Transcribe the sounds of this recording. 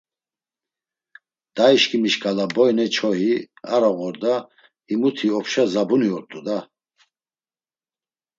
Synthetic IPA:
d̪̥aiʃkʰʼimiʃkʼalabɔjnɛt͡ʃʰɔɦi | a̰ɾɔɣɔɾd̪a | imut̪ʰiɔpʰʃazabuniɔɾt̪ʼud̪a

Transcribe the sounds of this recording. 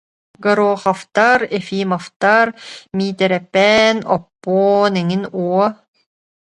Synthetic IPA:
ɡɐɾoːχaft̪aɾɛfiːmaft̪aɾmiːt̪ɛɾɛpːɛːnɔpːɔːnɛŋinuɔ

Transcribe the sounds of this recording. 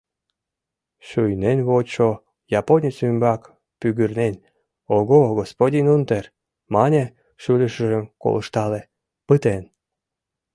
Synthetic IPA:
ʃujnenβot͡ɕo | jɑponʲesymbɑk | pyɣyrnenʲ | oɣoɣospodʲinunt̪er | mɑnʲe | ʃylʲəʃə̆ʒəmko̰lə̰ʃt̪ɑle | pɨt̪en

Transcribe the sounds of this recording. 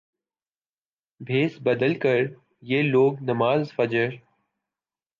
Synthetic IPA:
bʱeːsbəd̪əlkəɾ | jeːloːɡnəmaːzfəd͡ʒəɾ

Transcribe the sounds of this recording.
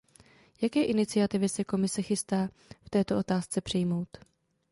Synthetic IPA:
jakɛːʔɪnɪt͡sɪat̪ɪvɪsɛko̞mɪsɛxɪst̪aː | ft̪ɛːt̪o̞ʔo̞t̪aːst͡sɛpr̥ɪjmo̞wt̪

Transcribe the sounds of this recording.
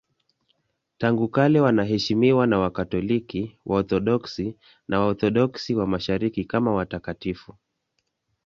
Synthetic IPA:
taŋɡukalɛwanaɦɛʃimiwanawakatɔlikiwʔaɔθɔɗɔksi | nʔawaɔθɔɗɔksiwamaʃaɾikikamawatakatifu

